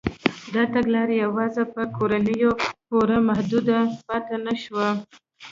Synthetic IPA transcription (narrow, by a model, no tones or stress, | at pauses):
d̪ɑt̪aɡlɑɾejawɑzapəkoɾanəjopoɾamahd̪ud̪apat̪anaʃwa